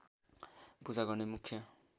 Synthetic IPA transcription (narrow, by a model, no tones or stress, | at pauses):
pud͡zaɡʌrnemukʰjʌ